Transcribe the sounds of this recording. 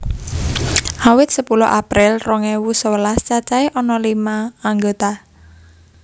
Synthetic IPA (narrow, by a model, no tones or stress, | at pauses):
ʔawɪt̪̚səpulɔ̰ʔapɾɪlrɔŋɛwusowəlast͡ʃat͡ʃaeʔɔnɔlimaːŋɡot̪a